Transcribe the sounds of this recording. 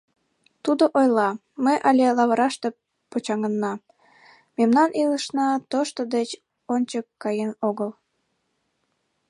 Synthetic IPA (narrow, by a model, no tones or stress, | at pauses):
t̪ud̪oʔojlɑ | meʔɑlʲelɑβəɾɑʃt̪e | pot͡ɕɑŋənːɑ | memnɑnʔiləʃnɑt̪oʃt̪od̪et͡ɕ | onʲt͡ɕəkːɑjenoɣəl